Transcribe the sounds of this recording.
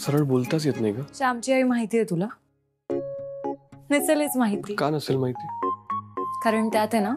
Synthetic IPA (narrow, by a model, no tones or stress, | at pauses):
səɾəɭbolt̪at͡sjet̪najɡaɕamt͡ɕiəimaɦit̪iːjɛt̪ula | nit͡selet͡smaɦit̪iːkanəseːlmaɦit̪iː | kaɾəɳt̪jat̪ɛna